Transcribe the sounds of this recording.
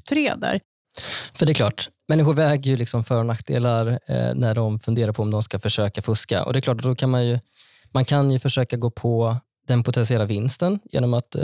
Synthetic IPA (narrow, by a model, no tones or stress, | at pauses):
t̪ʰɾḛːd̪a̰ɾ | fœɖɛɛkʰlɑ̰ːʈmɛnːɪɧʊɾvɛːɡəjɵlɪksɔmfœːɾɳak̚t̪̚d̪ḛːlaɾ̰næɖɔmfɵnd̪eːɾaɾpʰɔmd̪ɔmskafœʂøːkafɵska̰ʔɔ̰d̪ɛkʰlɑːʈːd̪ɔkʰanmanjɵ | mankʰanjɵfœʂøːkaɡoːpʰɔ | d̪ɛnpʰʊt̪ʰɛnsɪɛlːavɪnst̪ənjḛːnɔmat̪